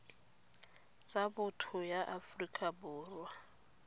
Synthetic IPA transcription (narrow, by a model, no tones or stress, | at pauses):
t͡sʼabʊtʰʊjaʔafrikʼabʊːrwa